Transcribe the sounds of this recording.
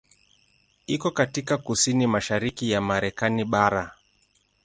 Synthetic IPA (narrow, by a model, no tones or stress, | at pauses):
ikɔkatikakusinimaʃaɾikijamaɾɛkaniɓaɾa